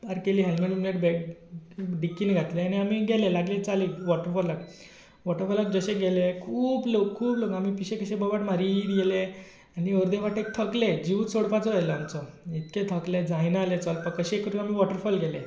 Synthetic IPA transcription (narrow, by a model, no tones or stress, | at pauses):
baɾkeliːɦɛlmənumleʈbɛk | ɖikːinɡʱat̪leaniamiɡʱɛlelaɡlet͡saliʋɔʈəɾfɔɾlak | ʋɔʈəɾfɔlək̚d͡zəɕẽɡelekʰuːblokkʰːuːblokamipiɕẽkəɕẽbɔʋaʈmaɾid̪ɡɛle | anioɾd̪eʋaʈek̚t̪ʰəkled͡ʑiʋusoɽpat͡sɔajlɔamt͡sɔ | it̪kẽt̪ʰəkled͡zʱãjnaalet͡sɔlpəkːəɕeekːəɾunam̤iʋɔʈəɾfɔlɡʱɛle